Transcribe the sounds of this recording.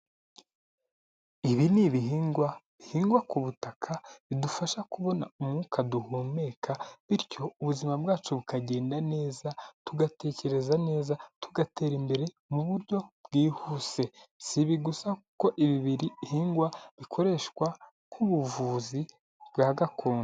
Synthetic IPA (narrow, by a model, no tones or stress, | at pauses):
iβiniβiɦiːŋɡwaβihiːŋɡwakuβutakʰaβidufaʃakuβo̞naumŋuːkʰaduhume̞ːkʰaβiɾco̞uβuzimabɡaːt͡ʃuβukaɟe̞ːndane̞ːzatuɡate̞ːce̞ɾe̞zane̞ːzatʰuɡatʰeːɾimbe̞ɾe̞ | muβuɾɟo̞bɡiːhuːse̞siβiɡusauko̞ʔiβiβiɾihiːŋɡwaβikʰo̞ɾe̞ʃkwa | kʰuβuvuːzi | b̥ɡaːɡakʰoːn